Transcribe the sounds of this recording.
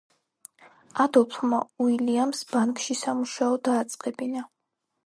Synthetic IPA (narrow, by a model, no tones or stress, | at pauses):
ad̪ɔpʰmauiliamsb̥aŋkʼʃisamuʃaɔd̪aːt̪sʼqʼɛbina